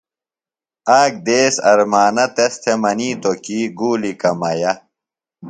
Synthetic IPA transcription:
aːk̚d̪eːsɐ̰ɾmaːnɐt̪est̪ʰemɐniːt̪okiːɡuːlikɐmɐjɐ

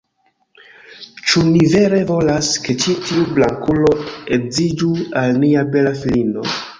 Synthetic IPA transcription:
t͡ʃunive̞ɾe̞vo̞laske̞t͡ʃitiublaŋkulo̞e̞kzid͡ʒualniabe̞lafilino̞̰

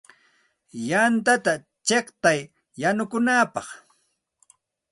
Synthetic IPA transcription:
jant̪at̪a | t͡ʃeχt̪ajː | anʊkʊnaːpɑχ

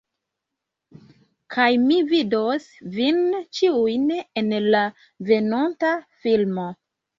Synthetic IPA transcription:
kʰajmividos | vint͡ʃiujnenla | ve̞nontafilmo

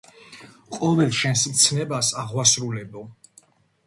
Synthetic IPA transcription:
qʼɔvɛlˠʃɛnsmt̪sʰnɛbasaʁwasɾulɛbɔ

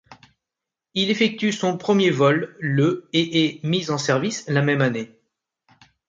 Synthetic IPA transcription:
ilefɛk̚t̪ysɔ̃pχəmjevɔlːəeʔɛmizɑ̃sɛʁvislamɛmane

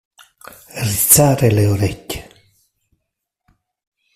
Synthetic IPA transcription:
rit̪saːɾeleoɾɛcːe̥

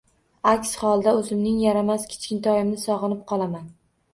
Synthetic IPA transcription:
akʲshɒlˠd̪aɵzɪmnɪŋjaɾamaskʲʰɪ̥t͡ʃkʲɪnt̪ʰɒjɪmnɪsɒʁɨnɪp̚qʰɒlˠaman

